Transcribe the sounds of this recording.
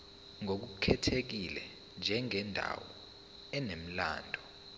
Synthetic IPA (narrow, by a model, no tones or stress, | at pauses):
ŋʱok̬ukʰɛtʰek̬ilɛ | nd͡ʒʱɛŋɛndʱa̰wɔ | ɛnem̩la̰ːndʱɔ